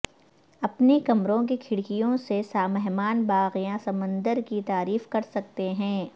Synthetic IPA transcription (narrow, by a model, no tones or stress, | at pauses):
ɐpnikɐmɾõk̬ekʰɪɽkijõsesaːmɛɦmaːnbaːɣijãsɐmə̃nd̪əɾkit̪aːɾiːfkɐɾsɐk̚t̪eɦɛ̃ː